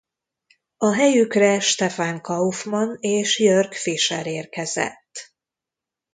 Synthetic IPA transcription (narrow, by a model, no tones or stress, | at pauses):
ɒɦɛjykrɛʃt̪ɛfaːŋkɒufmɒneːʃjørkfiʃɛ̰ɾeːrkɛzɛ̰t̪ː